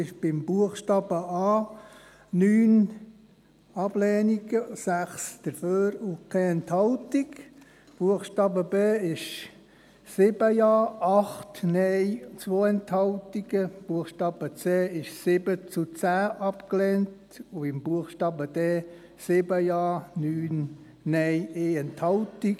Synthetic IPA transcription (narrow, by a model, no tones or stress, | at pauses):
ɪʃb̥ɪmbuəχʃtɑːb̥əɑː | nyːn | ɑb̥lɛːniɡəsæχsd̥̪əɾføːɾukʰɛɛnthɑltik | b̥uəχʃtɑːbəbeːɪʃ | sɪbəjɑːɑχtnɛɪt͡sʋoːɛnthɑltiɡəb̥uəxʃtɑːb̥ət͡seːɪʃsɪbət͡sut͡sæːʔɑpklɛnt | uɪmb̥uəχʃtɑːbəd̥eː | sɪbəjɑːnyːn | nɛjeːɛnthɑltik